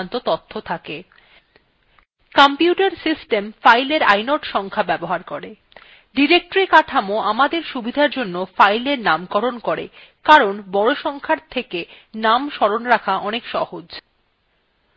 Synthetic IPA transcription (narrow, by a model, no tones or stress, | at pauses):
nt̪ot̪ot̪ʰːot̪ʰake | kampjuʈaɾsisʈemfajleɾa̰jnoʈʃɔŋkʰabɛboɦaɾkoɾe | ɖiɾek̚ʈoɾikaʈʰamoʔamad̪eɾʃubʱid̪ʱaɾd͡ʑonːofajleɾnamkɔɾonkɔɾḛkaɾonbɔɽoʃɔŋkʰaɾt̪ʰekenamʃɔɽonɾakʰaɔnekʃɔhod͡ʑ